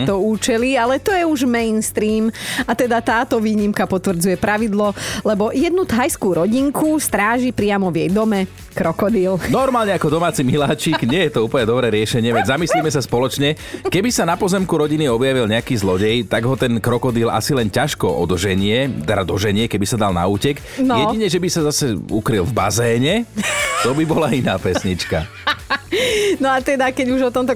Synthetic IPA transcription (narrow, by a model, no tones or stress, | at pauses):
t̪ɔuːt͡ʃɛlialɛt̪ɔjɛuʒmɛjnst̪ɾiːmat̪ɛd̪at̪aːt̪ɔʋiːɲimkapɔt̪ʋr̩d͡zujɛpɾaʋid̪lɔlɛbɔjɛd̪nut̪ɦajskuːɾɔɟiŋkust̪ɾaːʒipɾɪamɔʋjɛjd̪ɔmɛ | kɾɔkɔd̪iːlnɔɾmaːlɲɛakɔd̪ɔmaːt͡similaːt͡ʃiːɡɲɪɛjɛt̪ɔuːpəɲɛd̪ɔbɾɛːɾɪɛʃɛɲɪɛʋɛzamislimɛsaspɔlɔt͡ʃɲɛ | kɛbisanapɔzɛmkuɾɔɟiniɔbjaʋilɲɛakiːzlɔɟɛjt̪aɡɦɔt̪ɛnkɾɔkɔd̪iːla̰silɛncaʃkɔʔɔ̰d̪ʒɛɲɪɛt̪ɛdad̪ɔʒɛɲɪɛkɛbisad̪alna̰uːcɛk | njɛɟiɲɛʒɛbisazasɛukɾilvbazɛːɲɛt̪ɔbibɔlainaːpɛsɲit͡ʃka̰ | nɔat̪ɛd̪akɛɟuʒɔt̪ɔmt̪ɔ